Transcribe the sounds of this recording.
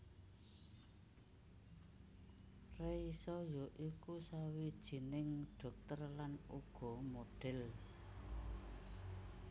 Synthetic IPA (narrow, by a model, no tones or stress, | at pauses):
reisɔjoʔikusawid̥ʒ̥i̤nɪŋɖ̥ɔ̤k̚t̪ərlanuɡ̥ɔ̤moɖ̥ɛl